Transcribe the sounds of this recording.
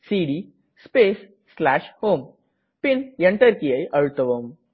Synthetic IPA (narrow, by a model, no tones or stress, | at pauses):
siɽi | spesː | laʃhom | pinjɐɳʈəɾkijəjʔɐɭt̪əʋom